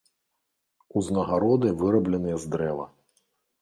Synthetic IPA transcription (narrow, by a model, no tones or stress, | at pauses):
uznɐɣaɾɔd̪ɨvɨɾɐblʲɛnɨjɛzd̪ɾɛvɐ̰